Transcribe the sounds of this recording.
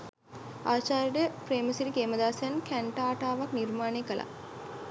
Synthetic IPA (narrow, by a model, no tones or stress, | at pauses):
aːt͡ʃaːɾiɖəfɾeːməsiɾikeːməd̪aːsænkʰæɳʈaːʈaːʋaknirmaːneːkəlʔa̰